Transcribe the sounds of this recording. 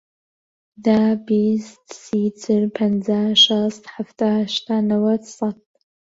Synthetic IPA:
dabisdsit͡sʰʼɨrpʰand͡zaʃʷastħaftʰʼaʃtʰanawatsʼat

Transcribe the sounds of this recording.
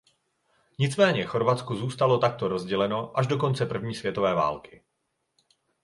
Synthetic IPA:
ɲɪt͡smɛːɲɛxo̞ɾvat͡skuzuːst̪alo̞t̪ak̚t̪oɾo̞zɟɛlɛno̞ʔaʒdo̞k̬o̞nt͡sɛpr̩vɲiːsvjɛt̪o̞vɛːva̰ːlkɪ̥

